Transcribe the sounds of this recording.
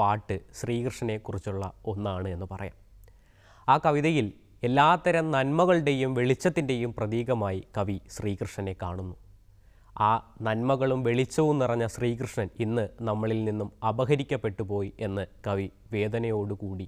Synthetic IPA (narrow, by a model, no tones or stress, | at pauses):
aːʈːɨɕriːkrɨʂɳɐne̞kːurit͡ɕːuɭːɐ̰o̞nːaːɳɨe̞nːɨpɐrɐja̰ːm | aːkɐʋiðɐjil | e̞lːaːt̪ːɐɾɐmnɐnmɐɣɐɭɨɽe̞jumʋe̞ɭit͡ɕːɐt̪ːinde̞jumprɐðiːɣɐmaːjikɐʋiɕriːkrɨʂɳɐne̞kːa̰ːɳunːu | aːnɐnmɐɣɐɭumʋe̞ɭit͡ɕːɐʋunirɐɲːɐɕriːkrɨʂɳɐninːɨnɐmːɐɭilninːumɐbɐɣɐɾikʲːɐpːe̞ʈːupo̞ːje̞nːɨkɐʋi | ʋe̞ːd̪ɐnɐjo̞ːɽukuːɽi